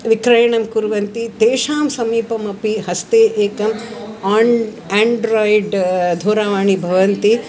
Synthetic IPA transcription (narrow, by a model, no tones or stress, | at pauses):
ʋikɾɐjɐɳɐmkuɾʋɐnt̪it̪eːʃaːmsɐmiːpɐmɐpihɐst̪eːʔeːkɐmaːɳ | aːɳɖɾoːjɖd̪ʱoːɾaːʋaːɳibʱɐʋɐnt̪i